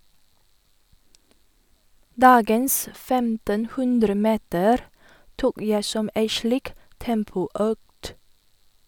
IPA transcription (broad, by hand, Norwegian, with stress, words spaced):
ˈdɑːɡəns ˈfɛmtənˌhʉndɾəˌmeːtəɾ ˈtuːk ˈjæɪ ˈsɔm ˈæɪ ˈʃliːk ˈtɛmpʊˌœkt